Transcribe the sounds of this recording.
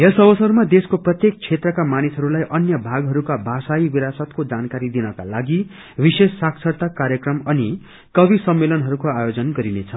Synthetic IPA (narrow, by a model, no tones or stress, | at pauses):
jesʌbʌsʌrmad̪eskoprʌt̪jek̚t͡sʰet̪rʌkamanisɦʌɾulajʔʌnjʌbʱaɡɦʌɾukabʱasajibiɾasʌt̪kod͡zankaɾid̪inʌka̰laɡi | bisesːak̚t͡sʰʌrt̪akaɾjʌkrʌmʌni | kʌbisʌmːelʌnɦʌɾukoajod͡zʌnɡʌɾinet͡sʰʌ